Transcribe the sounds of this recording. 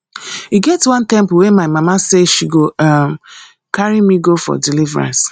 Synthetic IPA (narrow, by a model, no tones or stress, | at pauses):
hiɡɛtwãntɛ̃mp̩wemaɪmamaseʃiɡoam | kaɹimiɡofɔ̰dilivɹã̰ns